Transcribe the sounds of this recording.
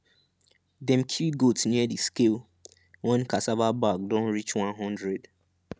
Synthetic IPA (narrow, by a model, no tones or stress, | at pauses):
dɛ̃mkʰjuɡotniɛdiskel | wɛ̃nkasavabakdɔ̃nɹit͡ʃwãnɦɔ̃ndɹɛd